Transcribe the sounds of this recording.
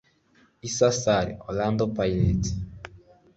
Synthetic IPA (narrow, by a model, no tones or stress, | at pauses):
isasaɾiɔland̪ɔpailɛti̥